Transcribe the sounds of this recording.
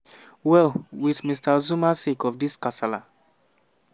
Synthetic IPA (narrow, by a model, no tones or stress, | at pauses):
wɛlwiðmistazumasikɔfdiskasala